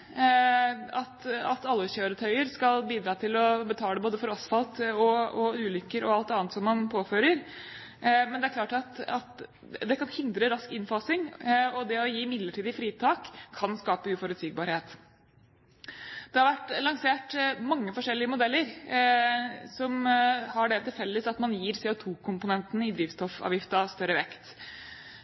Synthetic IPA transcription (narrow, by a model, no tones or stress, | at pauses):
ɑt̪ɑt̪ɑlːəçøːɾət̪ʰœʏəɾskɑlbiːd̪ɾɑːt̪ʰɪlɔbət̪ʰɑːld̪ɛboːd̪əfɔɾɑsfɑlt̪ɔɔʉːlʏkːəɾɔɑlt̪ɑːnət̪sɔmːɑnpʰoːføːɾəɾ | mɛnd̪ɛæɾkʰlɑːʈɑt̪ɑt̪ | d̪ɛkʰɑnhɪnd̪ɾəɾɑskɪnfɑsɪŋɔd̪ɛɔjiːɪmɪd̪ləʈʰiːd̪əfɾiːt̪ʰɑːkʰːɑnskɑːpəʉːfɔɾʉd̪t̪siːɡ̚bɑːɾheːt̪ | d̪̥ɛhɑɾʋæʈːlɑŋseːʈmɑŋːəfɔʂɛlːɪəmʊd̪ɛlːəɾ | sɔmhɑɖɛt̪ɪlfɛlːəsɑt̪mɑnjiːɾsɛːʊt̪ʰuːkʰʊmpʊnɛnt̪ənɪd̪ɾiːʋst̪ɔfɑ̰ːʋjɪft̪əɑʋst̪œɾəʋɛkt̪